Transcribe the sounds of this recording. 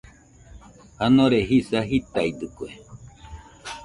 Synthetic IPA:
hanõɾeɦisaɦit̪aid̪ukue

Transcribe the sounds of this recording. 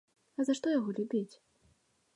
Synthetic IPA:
ɐzaʂt̪ɔjaɣɔlʲubʲit͡sʲ

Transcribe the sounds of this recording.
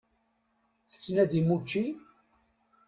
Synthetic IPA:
θə̥t͡sːnæðimut͡ʃːi

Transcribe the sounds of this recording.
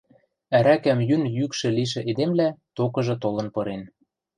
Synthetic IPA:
æɾækæmjynjykʃĕliʃ̬ĕʔed̪emlæt̪okɤ̆ʒɤ̆t̪olɤ̆npɤ̆ɾen

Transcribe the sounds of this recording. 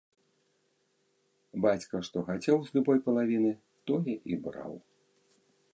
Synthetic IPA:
bat͡sʲkɐʂt̪ɔxat͡sʲɛwzʲlʲubɔjpɐlˠavʲinɨ | t̪ɔjɛʔibɾa̰w

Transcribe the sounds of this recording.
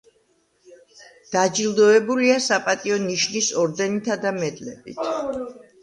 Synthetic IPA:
d̪̥ad͡ʒilˠd̪ɔɛbuliasapʼat̪ʼiɔniʃnisɔɾd̪ɛnit̪ʰad̪amɛd̪ʼlɛbḭt̪ʰ

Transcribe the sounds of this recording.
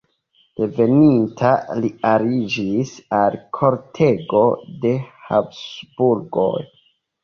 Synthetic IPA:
d̥e̞ve̞nintʰaliaɾid͡ʒisalkʰo̞ɾtʰe̞ɡo̞de̞hapsbuɾɡo̞̰j

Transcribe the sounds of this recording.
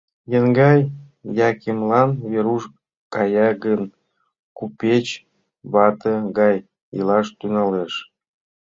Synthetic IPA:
jənɡɑj | jɑkemlɑnβeɾuʃ | kɑjɑɡən | kupʲet͡ɕ | βɑt̪ə̆ɡɑj | ḭlɑʃt̪ynɑleʃ

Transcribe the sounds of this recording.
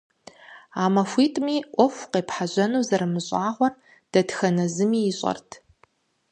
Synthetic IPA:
aːmɐfʷiːtʼmiːʔʷɔfʷqeːpħaʑɐnuːzɐɾɨmɨɕʼaːʁʷɔr | d̥ɐdxɐnɐzɨmiːɪɕʼɐ̰rtʰ

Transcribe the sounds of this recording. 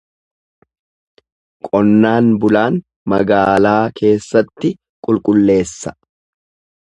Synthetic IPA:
kʼɔnːaːnbʊlaːn | mɐɡaːlaːkʰe̞ːsːɐt̪ːɪ | kʼʊlkʼʊlːe̞ːsːɐ̥

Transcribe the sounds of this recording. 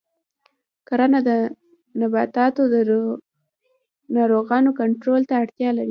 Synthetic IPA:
kaɾanad̪ə | nabɑt̪ɑt̪od̪ə | nɑɾoɣɑnokaɳʈɾolt̪aːɽt̪jɑlaɾi

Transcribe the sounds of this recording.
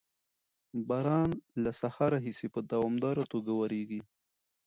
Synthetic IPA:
baɾɑnlasahaɾaɦisepəd̪awɑmd̪ɑɾot̪oɡawaɾeɡi

